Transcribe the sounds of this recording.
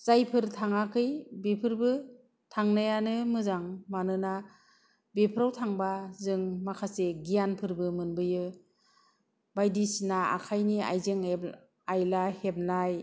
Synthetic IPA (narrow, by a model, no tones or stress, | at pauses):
zajpʰɯɾtʰaŋakʰɯjbepʰɯɾbɯ | tʰaŋnajanɯmɯzaŋmanɯna | bepʰɾawtʰaŋbazɯŋmakʰaseɡijanpʰɯɾbɯmɯnbɯjɯ | bajdisinaa̰kʰajnia̰jzeŋe | ajlahep̚naj